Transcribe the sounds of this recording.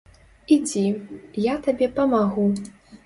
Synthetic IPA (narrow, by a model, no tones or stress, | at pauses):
id͡zʲijat̪abʲɛpɐmaɣu